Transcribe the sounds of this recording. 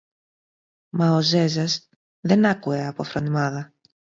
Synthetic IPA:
mɐoze̞zɐz | ðenɐkue̞ɐpofɾonimɐðɐ

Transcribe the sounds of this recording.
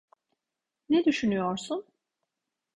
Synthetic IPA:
ned̪yʃynyjo̞ɾsun

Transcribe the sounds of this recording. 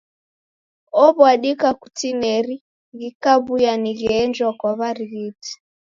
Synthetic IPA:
ɔβwaɗikaku̥tinɛɾi | ɣikaβujaniɣɛːnd͡ʒwakwaβaɾiɣiti̥

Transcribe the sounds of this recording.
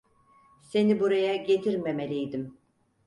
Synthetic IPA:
se̞nibuɾajaɟe̞t̪ʰiɾmemelʲijd̪im

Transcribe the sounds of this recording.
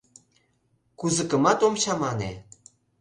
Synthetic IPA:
kuzə̆kə̆mɑt̪omɕɑmɑnḛ

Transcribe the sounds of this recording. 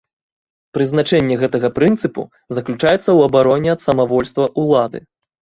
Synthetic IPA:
pɾɨznat͡ʂɛnʲːɛɣɛt̪ɐɣɐpɾɨnt̪sɨpṵ | zɐklʲut͡ʂajɛt̪sːɐwɐbaɾɔnʲɛɐt̪sɐmavɔlʲst̪vɐʔulˠad̪ɨ̰

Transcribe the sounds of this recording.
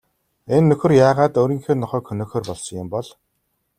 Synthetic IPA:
enːɵxɵ̆rjaːʁaːt̪oːɾiːŋxeːnɔχœːkxɵnɵːxeːrpɔɮsɞ̆ŋjʊmpɔɮ

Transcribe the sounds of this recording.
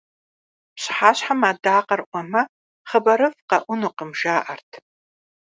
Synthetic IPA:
pɕħaːɕħamaːdaːqɐrʔʷɔmɐ | χəbɐɾɨvqɐʔʷʊnuqəmʒaːʔɐrtʰ

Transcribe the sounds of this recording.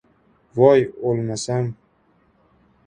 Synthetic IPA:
vɔjolmasam

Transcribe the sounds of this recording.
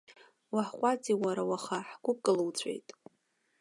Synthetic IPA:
waħqʷʼad͡ziwaɾawaχaħɡʷʊp̚ʼkʼɨlɨwt͡ɕʷʰḛjtʼ

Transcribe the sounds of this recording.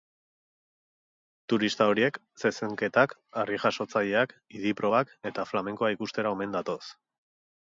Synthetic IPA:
t̪uɾist̪ao̞ɾie̞k | se̞seŋke̞t̪akariʝaʃo̞t͡saʎe̞akiðipɾo̞βake̞t̪aflame̞ŋkoaikust̪e̞ɾao̞me̞nd̪at̪o̞s

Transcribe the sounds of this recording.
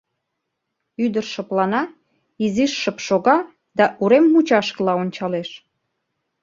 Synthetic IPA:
yd̪ərʃə̆plɑnɑ | iziʃːəpʃoɣɑ | d̪ɑʔuɾemːut͡ɕɑʃkəlɑonʲt͡ɕɑleʃ

